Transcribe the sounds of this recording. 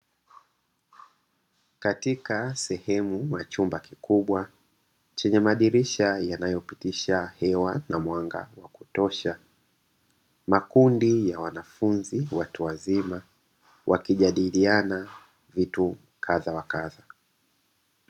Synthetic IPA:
katikasɛhɛmumat͡ʃumbakikuɓwa | t͡ʃɛɲɛmaɗiɾiʃajanajɔpitiʃahɛwanamwaŋɡa̰waku̥tɔʃa | makundijawanafunziwatuwazima | wʔa̰kiʄaɗiliana | vitu | kʰaðawakaða

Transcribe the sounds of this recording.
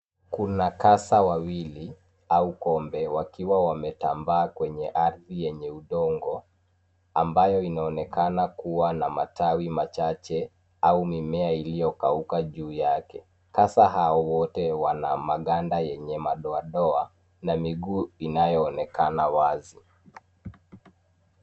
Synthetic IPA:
kunakasawawili | aukɔmbɛwakiwawamɛtambaːkwɛɲɛʔaɾðijɛɲɛuɗɔŋɡɔ | ambajɔinaɔnɛkanakuwanamatawimat͡ʃat͡ʃɛ | aumimɛailijɔkaukaʄuːjakɛ | kasaɦaɔwɔtɛwanamaɠandajɛɲɛmaɗɔaɗɔa | namiɡuːinajɔːnɛkanawazi

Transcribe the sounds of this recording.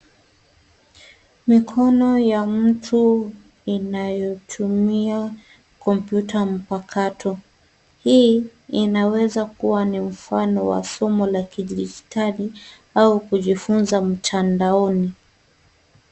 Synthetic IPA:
mikʰɔnɔjam̩tʰu | inajɔtʰumia | kɔmpjutam̩pakʰatɔ | hiinawɛzakuwanim̩fanɔwa̰sɔmɔlakiɗd͡ʒitʰali | aukuʄifunzam̩tʰandaɔni

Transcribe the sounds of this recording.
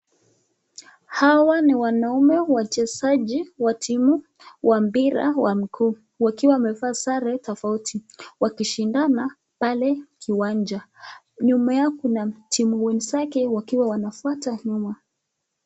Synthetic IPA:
hawaniwanaumɛwat͡ʃɛsaʄiwatʰimu | wʔambiɾa̰wam̩kʰuː | wakiwamɛvaːsaɾɛtɔfautʰiwakiʃindana | palɛkʰiwand͡ʒa | ɲumajakunatʰimuwɛnsakɛwakiwawanafuataɲuma

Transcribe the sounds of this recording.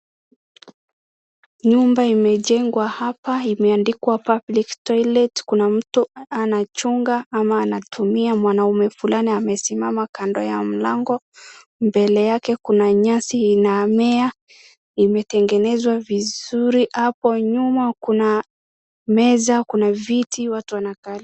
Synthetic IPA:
ɲumbaimɛʄɛŋɡwahapaimɛandikwapabliktɔjlɛtkunam̩tuanat͡ʃuŋɡaamaːnatʰumiamwanaumɛfulaniamɛsimamakandɔjam̩laŋɡɔ | mbɛlɛjakɛkunaɲasiːnamɛa | imɛtɛŋɡɛnɛzwavizuɾiʔapɔɲumakuna | mɛzakunavitiwatuanakali

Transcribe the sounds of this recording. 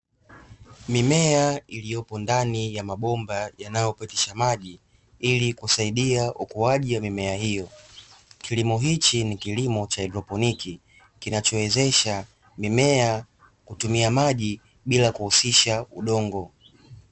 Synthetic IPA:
mimɛailijɔpɔndanijamaɓɔmbajanajɔpɛtiʃamaʄi | ilikusaiɗiaʔukuaʄiwamimɛahijɔ | kʰilimɔɦit͡ʃinikilimɔt͡ʃaɛdɾɔpɔniki | kinat͡ʃɔwɛzɛʃa | mimɛa | kutumiamaʄi | ɓilakuhusiʃauɗɔŋɡɔ

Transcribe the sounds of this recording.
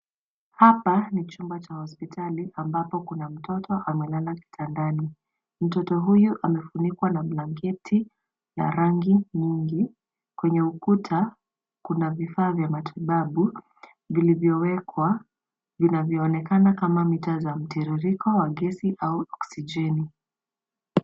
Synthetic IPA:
hapanit͡ʃumbat͡ʃahɔspitʰaliʔambapɔkunam̩tɔtɔʔamɛlalaki̥tʰandani | m̩tɔtɔɦujuʔamɛfunikwanam̩laŋɡɛtʰi | na̰ɾaŋɡiɲiŋɡi | kwɛɲɛukutʰa | kunavifaːvjamatʰiɓaɓu | vilivjɔwɛkʰwa | vinavjɔːnɛkanakamamitazam̩tiɾiɾikɔwaɡɛsiʔauɔksid͡ʒɛni

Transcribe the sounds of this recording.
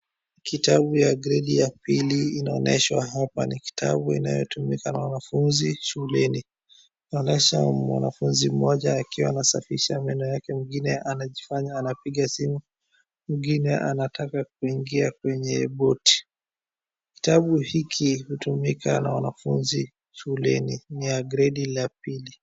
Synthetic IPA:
kitaɓujaɡɾɛɗijapiliːnaɔnɛ̰ʃwaɦapa̰niki̥tʰa̰ɓuḭna̰jɔtumikanawanafunziʃuhulɛni | naɔnɛʃamwa̰nafunzim̩ɔʄaːkiwaːnasafiʃamɛnɔjakɛmiɡinɛʔanaʄifaɲaːnapiɠasimu | m̩ɡinɛʔanatʰakak̚uiŋɡiak̚wɛɲɛɓɔti̥ | ki̥taɓuhikʰihutumikanawanafunzi | ʃulɛniniaɡɾɛɗilapili

